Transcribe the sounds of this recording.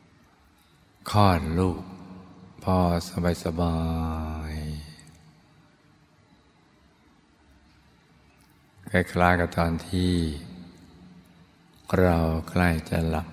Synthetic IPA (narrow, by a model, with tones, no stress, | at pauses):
kʰɔː˧˩nluː˧˩k̚pʰɔː˧˩sa˧ba˨˧˦jsa˧baː˧j | kʰa˧˩jkʰlaː˧˩ka˧˩t̪ɔː˧˩nt̪ʰiː˧˩ | kʰɾa˧wkʰla˧˩jt͡ɕa̰˧˨la˧˩p̚